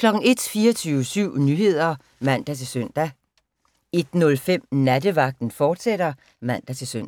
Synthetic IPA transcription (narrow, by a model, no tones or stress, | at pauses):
kʰlɒ̽ɡ̥n̩e̝d̥fiːɐt͡sʰyːʊəsyʊ̰nyːhe̝ð̞̰ˠɐ | mæn̰d̥æt͡sʰe̝sœn̰d̥æ | e̝d̥nɔ̽lfem̰næd̥əʋɑ̈ɡ̥̚d̥n̩fɒːd̥sed̥ɐ | mæn̰d̥æt͡sʰe̝lsøn̰